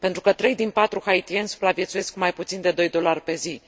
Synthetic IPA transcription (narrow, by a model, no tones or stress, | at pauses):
pent̪ɾukət̪ɾe̞jd̪inpat̪ɾuxait̪iensu̥pɾavjesuje̞skmajput̪sind̪e̞d̪o̞jd̪o̞larʲpe̞zi